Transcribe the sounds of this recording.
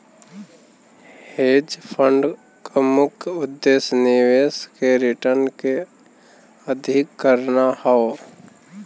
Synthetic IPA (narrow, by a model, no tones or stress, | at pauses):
heːd͡ʒpʰə̃ɳɖ | kəmʊkʰʊd̪ːeːsnɪʋeːskeɾɪʈəɾnke | əd̪ʱɪkːəɾnahɔo